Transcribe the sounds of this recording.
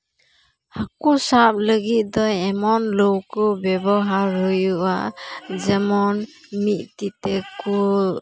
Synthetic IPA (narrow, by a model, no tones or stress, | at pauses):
akusap̚ləɡit̪̚d̪ɔjɛmɔnlɔwkɔbɛbɔɦaɾɔjuad͡ʒəmɔn | mit̪̚tit̪ɛku